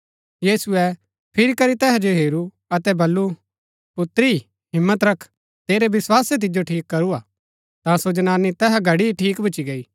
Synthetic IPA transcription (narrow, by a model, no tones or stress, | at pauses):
jiːsuɛ | pʰɪɾikɐɾit̪ɛːɦad͡ʒoɦeːɾu | ɐt̪ɛbɐlːu | pʊt̪ɾi | ɦɪmːət̪ɾɐkʰ | t̪eːɾebɪswaːset̪̬ɪd͡ʒoʈʰiːkːɐɾuaː | t̪ãsod͡ʒnaːnit̪ɛːɦaɡʱɐɽiiʈʰiːkbʱɐt͡ʃiɡɐiː